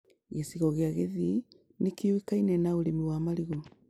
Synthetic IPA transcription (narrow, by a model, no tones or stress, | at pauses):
ɣesiɣɔɣeaɣeði | nekewikainɛnaoɾemiwamaɾiɣɔ